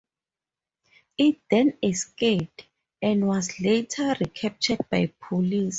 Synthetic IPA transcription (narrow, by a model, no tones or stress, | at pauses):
it̚dɛ̃nɛskep̚t | ɛ̃ndwɔsletʰaɹikʰɛp̚tʰɛd̚bajpʰolis